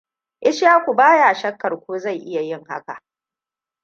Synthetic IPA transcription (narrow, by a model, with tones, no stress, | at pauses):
ʔɪ˦ʃjaː˦kʷu˨baː˦jaː˨ʃɐ˦kːɐ˨rkʷoː˦za˦˨jʔɪ˦ja˨jɪ˦˨ŋha̰˦ka̰˨ʔ